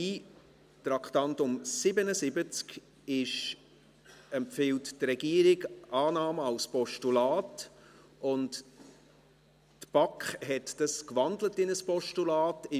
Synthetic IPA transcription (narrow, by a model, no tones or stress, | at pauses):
i | t̪ɾɑktɑntʊmsɪbənəsɪbət͡sk | ɪʃ | ɛmpfɪlttɾɛɡiəɾɪɡʔɑːnɑːmɑlspɔʃtulɑːt | ʔʊnt | tb̥ɑkχhɛtd̥ɑskvɑndlətɪnəspɔʃtulaːtɪ